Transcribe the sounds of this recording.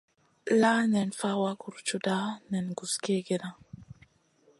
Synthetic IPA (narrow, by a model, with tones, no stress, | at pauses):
la˦nɛ˨nfa˦wa˦ku˨ɾt͡ʃu˦da˦nɛ˨nɡu˨ske˦ɡɛ˨na˨